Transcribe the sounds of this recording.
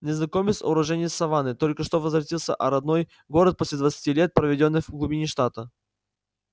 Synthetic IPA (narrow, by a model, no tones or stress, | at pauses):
nʲɪznɐkomʲɪsʊ̰ɾɐʐɛnʲɪjəsɐvanɨt̪o̞lʲkəʂt̪o̞vəzvɾɐt̪ʲilˠsʲə̰ʔɐɾɐd̪noj | ɡo̞ɾət̪̚posʲlʲɪd̪vət̪sɨ̥tʲilʲet̪̚pɾəvʲɪdʲo̞nːɨjvɡlˠubʲinʲɪʂt̪at̪ə